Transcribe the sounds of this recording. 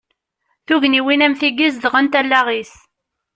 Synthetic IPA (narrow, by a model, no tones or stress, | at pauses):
θuʝniwinæmθiɡizðʁənt̪ælːæʁis